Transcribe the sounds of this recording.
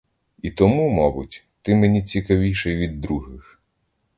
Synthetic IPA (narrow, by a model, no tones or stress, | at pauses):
it̪ɔmumɔbʊtʲ | t̪ɪmenʲit͡sʲikɐʋʲijʃɛjʋʲid̪ːɾuɦɪx